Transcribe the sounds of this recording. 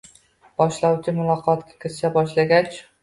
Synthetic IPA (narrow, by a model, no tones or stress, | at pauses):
b̥ɒʃlawt͡ʃʰɪmʊlˠɒqʰɒt̪kʲʰḁkʲʰɪɾʃabɒʃlaɡʲat͡ʃ